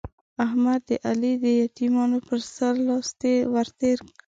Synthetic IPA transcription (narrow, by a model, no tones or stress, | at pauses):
ahmad̪ːəʔalid̪əjat̪imɑnopəɾsaɾlɑst̪ewaɾt̪eɾk